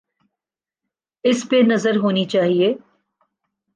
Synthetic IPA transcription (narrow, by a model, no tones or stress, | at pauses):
ɪspenɐzəɾɦoːnit͡ʃaːɦieː